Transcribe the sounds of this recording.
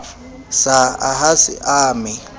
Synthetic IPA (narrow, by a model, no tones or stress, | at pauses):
saaɦasɪ̰ʔaːmɪ